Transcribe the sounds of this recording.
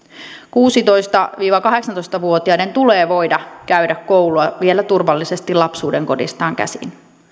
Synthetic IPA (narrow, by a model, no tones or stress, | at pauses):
kuːsit̪o̞jst̪ɑʋiːʋɑkɑɦe̞ksɑnt̪ojst̪ɑʋuot̪iɑine̞nt̪uleːʋo̞jdɑkæyɥdækkowluɑʋielæt̪urʋɑlːise̞st̪ilɑpsuːde̞ŋko̞̰dḭst̪ɑːŋkæ̰sḭn